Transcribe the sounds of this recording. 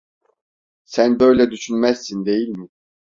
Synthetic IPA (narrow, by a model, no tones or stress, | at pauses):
sænbø̞jlʲɛd̪yʃynmæzːind̪e̞jilʲmɪ